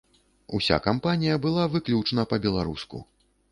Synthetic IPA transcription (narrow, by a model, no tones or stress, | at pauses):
usʲa̰kampanʲijɐbɨlˠavɨklʲut͡ʂnɐpɐbʲɛlˠaɾuskṵ